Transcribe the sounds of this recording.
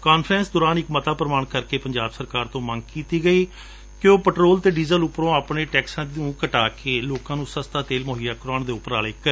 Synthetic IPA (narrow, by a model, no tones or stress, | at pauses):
kaːnpʰɾɛ̃ːnsd̪ʊːɾaːnɪkmət̪aːpəɾəmaːɳkəɾkeːpəɲd͡ʒaːbsəɾkaːɾt̪õːmə̃ŋɡ̚kiːt̪iːɡəiː | kɪjõːpəʈɾoːlt̪eːɖiːzəlʊpɾõːaːpɳeːʈɛːksãːd̪ũːkəʈaːkeːloːkãːnũːsəst̪aːt̪eːlmoːɦijaːkʊɾaːɳd̪eːʊpːəɾaːleːkə